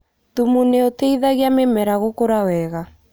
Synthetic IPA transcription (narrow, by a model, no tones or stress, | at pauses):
ðumuneoteiðaɣeamemɛɾaɣokoɾawɛɣa